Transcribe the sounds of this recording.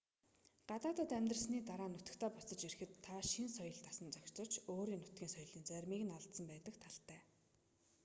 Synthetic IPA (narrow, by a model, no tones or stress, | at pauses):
ɢ̥at̪aːt̪ə̆t̪æmʲt̪rə̆sniːt̪aɾaːnʊt̪ə̆kt̪ʰæːpɔsɞ̆t͡ɕirɘ̆xɘ̆t̪ʰːaʃinsɔjɞ̆ɮt̪ḁsə̆nt͡sɔkʲt͡sɞ̆rt͡ɕoːɾiːŋnʊt̪̚ɡʲiːŋsɔj̆ɮiːnt͡sæɾʲmiːɣɘ̆naɮt̪sə̆mpæːt̪ə̆kt̪ʰaɬt̪æː